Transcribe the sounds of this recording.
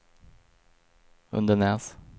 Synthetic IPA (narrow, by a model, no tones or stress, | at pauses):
ɵ̰nd̪ənæʁs